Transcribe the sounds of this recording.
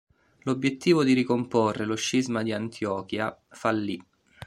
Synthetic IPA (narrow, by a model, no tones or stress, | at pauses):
lobjet̪ːiːvod̪iɾikomporːeloʃːizmad̪iant̪ʰjɔːkjafalːi